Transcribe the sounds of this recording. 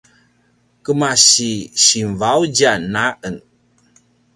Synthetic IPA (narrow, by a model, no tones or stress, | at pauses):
kəmasiɕinvawd͡ʒanaʔən